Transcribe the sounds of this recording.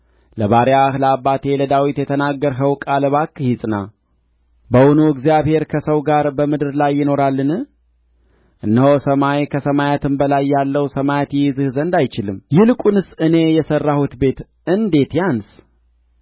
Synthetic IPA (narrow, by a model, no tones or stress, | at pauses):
ləβaɾiahləabːat̪ʰe̞ləd̪awit̪jɛt̪ʰənaɡːəɾɦəwkʼaləβakʼːhisʼna | bəwunuɨɡzijaβhe̞ɾkʰəsəwɡaɾbəmɨd̪ɨɾlajːɪno̞ɾalːɨnɨh | ʔɨnːəhosəmajkʰəsəmajat̪ʰɨmbəlajːalːəwsəmajat̪jɛjzɨhzənd̪ajt͡ʃɪlɨmjɪlɨkʼunɨsɨne̞jɛsərːahut̪be̞t̪ | ɨnd̪e̞t̪jans